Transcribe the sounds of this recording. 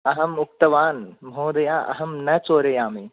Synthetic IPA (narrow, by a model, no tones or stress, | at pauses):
ɐɦɐmʊk̚t̪ɐʋaːnmɦoːd̪ɐjaːʔɐ̰ɦɐmnɐt͡ʃoːɾɐjaːmi